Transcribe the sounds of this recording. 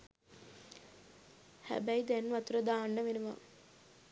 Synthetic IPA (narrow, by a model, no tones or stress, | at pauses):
hæ̰bæjd̪ænʋɐt̪uɾəd̪aːnːəʋenuʋa̰